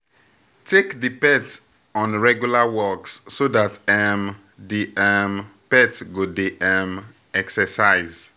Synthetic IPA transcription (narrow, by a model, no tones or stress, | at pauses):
tʰekdipɛt | ɔ̃nɹɛɡjulawɔksːodatɛm | diʔɛmpɛtɡodeʔɛm | ɛksɛsaɪz